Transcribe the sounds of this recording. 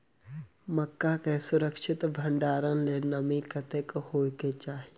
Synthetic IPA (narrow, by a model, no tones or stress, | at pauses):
mɐkːakesʊɾəkʃɪt̪bʱə̃ɳɖaːɾənlenɐmikət̪ekhoːket͡ʃaːɦi